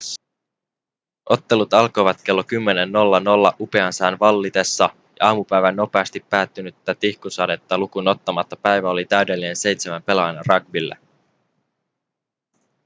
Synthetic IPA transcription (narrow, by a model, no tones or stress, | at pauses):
ʔo̞t̪ːe̞lut̪ɑlko̞jʋɑt̪k̟e̞lːo̞kymːe̞ne̞nːo̞lːɑno̞lːɑʔupe̞ɑnsæːnʋɑlːit̪e̞sːɑ | jɑ̰ɑːmupæjʋænːo̞pe̞ɑst̪ipːæːt̪ːynyt̪ːæt̪ihkusɑde̞t̪ːɑlukuno̞t̪ːɑmɑt̪ːɑpæjʋæo̞lit̪æyɥde̞lːine̞nse̞jt̪semæmpe̞lɑjnɑ̰rɑɡ̚bilːḛ